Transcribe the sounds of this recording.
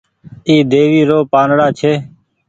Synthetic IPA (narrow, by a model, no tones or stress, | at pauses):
iːd̪eːʋiːɾoːpaːnɽaːt͡ʃʰeː